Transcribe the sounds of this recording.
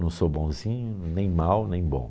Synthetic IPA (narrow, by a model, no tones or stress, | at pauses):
nɐ̃w̃sobõzĩɲʊnẽj̃mawnẽj̃bõ̰